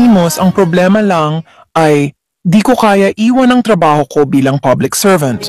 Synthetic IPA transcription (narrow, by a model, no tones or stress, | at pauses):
iːmosɐŋpɾoblɛːmɐlɐŋ | ʔɐj | d̪iːkokaːjɐʔiːwɐnɐŋt̪ɾɐbaːho̞ko̞biːlɐŋpɐblɪksɛɹvɐ̃nt̪